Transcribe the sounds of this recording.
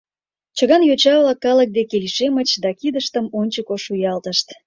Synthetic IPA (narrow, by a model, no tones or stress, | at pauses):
t͡ɕəɣɑnjot͡ɕɑβlɑkːɑlək̚d̪ekelʲʃemət͡ɕd̪ɑkid̪əʃt̪əmonʲt͡ɕəkoʃujɑlt̪əʃt̪